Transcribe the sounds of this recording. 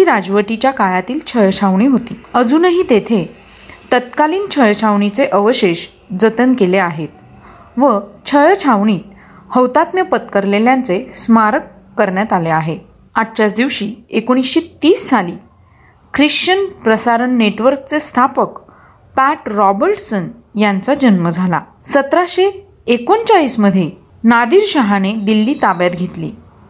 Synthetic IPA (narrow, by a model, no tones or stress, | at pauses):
iɾad͡zʋəʈ̪it͡ɕjakajat̪iːlt͡ɕʰəjt͡ɕʰaʋɳiːɦot̪iːəd͡zuːnəɦiːt̪et̪ʰe | t̪ət̪kaliːnt͡ɕʰəjt͡ɕʰaʋɳ̃it͡seʔəʋəɕeɕ | d͡zət̪ənkeleaɦet̪̚ | ʋət͡ɕʰəjt͡ɕʰaʋɳiː | həwt̪at̪mjəpət̪kəɾleljãnt͡sesmaɾəkː | əɾɳjat̪aleaɦe | atɕat͡sd̪iʋɕiːekoɽ̃isɕet̪iːsːaliː | kɾiɕt͡ɕənpɾəsaɾənːeʈʋəɾkt͡sest̪ʰapək | pæʈɾɔbəɾʈsənjant͡sad͡ʑənməd͡zʱala̰ | sət̪ɾaɕeː | kont͡saliːsməd̪ʱje | nad̪iːɾɕaɦaned̪ilːiːt̪abjat̪ɡʱet̪lḭː